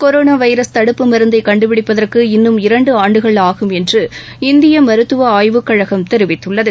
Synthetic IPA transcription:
kɔɾoːnaːʋɐɪɾɐst̪ɐɽɯpːɯmɐɾɯnd̪ɐɪkɐɳɖɯpɪɽɪpːɐðɐrkɯɪnːɯmɪɾɐɳɖɯaːɳɖɯɣɐɭaːɣɯmɛndrɯ | ɪnd̪ɪjɐmɐɾɯt̪ːɯʋɐaːjʋɯkːɐɻɐɣɐmt̪ɛɾɯʋɪt̪ːɯɭːɐðɯ

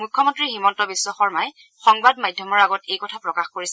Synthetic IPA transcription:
mujkʰːɔmɔntɹiximɔntɔbiswɔxɔɹmaj | xɔŋbadmadʱjɔmɔɹaɡɔtejkɔtʰapɹɔkaxkoɹisɛ

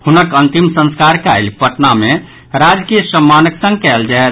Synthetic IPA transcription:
hunəkənt̪imsə̃nskaɾka̰jlpəʈname | ɾad͡ʒkijəsəmːanəksə̃ŋɡ̚kɛld͡ʒaɛ

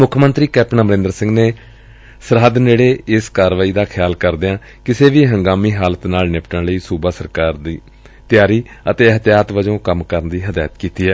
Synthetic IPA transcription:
mʊkʰmənt̪ɾiːkɛːp̚ʈnaːməɾɪ̃nd̪əɾsɪ̃ŋɡneː | səɾɦəd̪nd͡ʒeːɽeːɪskaːɾʋaːiːd̪aːkʰɪjaːlkəɾd̪eãː | kɪseːʋiːɦəŋɡaːmiːɦaːlət̪naːlnɪpʈə̃ɳləiːsuːbaːsəɾkaːɾd̪iː | t̪ɪjaːɾiːət̪eːəɦt̪jaːt̪ʋəd͡ʒõːkəmkəɾənd̪iːɦəd̪aːjət̪kiːt̪iːɦɛː

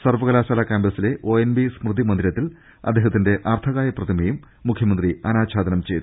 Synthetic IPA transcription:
sɐrʋɐɣɐlaːsaːlaːkaːmbɾɐsile̞ʔo̞ːenbismrɨd̪imɐnd̪iɾɐt̪ːil | ɐ̰d̪ːeːɦɐt̪ːinde̞ʔɐrt̪ʰɐɣaːjɐprɐd̪imejumː | ukʰjɐmɐnd̪riɐnaːɕʰaːd̪ɐnɐmt͡ɕe̞jt̪ːu

